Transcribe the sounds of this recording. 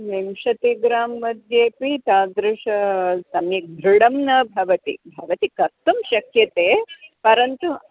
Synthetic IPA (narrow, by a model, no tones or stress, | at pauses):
memʃɐt̪iɡɾaːmːɐd̪jeːpit̪aːd̪ɾuʂɐsɐmjɐk̚d̪ʱɾuɽɐmnɐbʱɐʋɐt̪ḭbʱɐʋɐt̪ikɐst̪ːɐmʃɐkjɐt̪eːpɐɾɐnt̪u